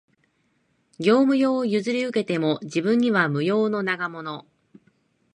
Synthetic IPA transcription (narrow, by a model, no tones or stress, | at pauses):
ɡʲo̞ːmɯ̟jo̞ːjɯzɨɾʲiɯ̟ke̞t̪e̞mo̞ʑibɯ̟̃ɲ̟ːiβ̞amɯ̟jo̞ːno̞naɡamo̞no̞